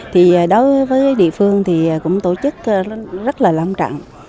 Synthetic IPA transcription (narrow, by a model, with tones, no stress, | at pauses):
t̪ʰiː˨˩˨ɗo˨˦jvəː˨˦jjɗḭ˧˨əfɨ˧əŋt̪ʰi˨˩˨kʊ̰˧˥ŋ͡mt̪o˧˩t͡ɕɨ˦˥k̚ːzə˦˥t̚laː˨˩la˧wŋ͡mt͡ɕa̰˧˨ŋ